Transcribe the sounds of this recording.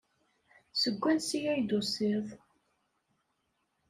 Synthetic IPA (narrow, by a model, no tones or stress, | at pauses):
səɡʷːænsijæjd̪osˤiðˤ